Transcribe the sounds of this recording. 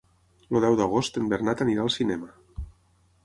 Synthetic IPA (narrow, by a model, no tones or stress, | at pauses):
loðɛwðəɣ̞ost̪embeɾnat̪əniɾaːlˠsinɛmə